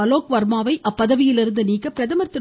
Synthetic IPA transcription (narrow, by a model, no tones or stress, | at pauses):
ɐloːkʋɐɾmaːʋɐɪʔɐpːɐðɐʋɪjɪlɪɾɯnd̪ɯniːkːɐpːɪɾɐðɐmɐɾt̪ːɯ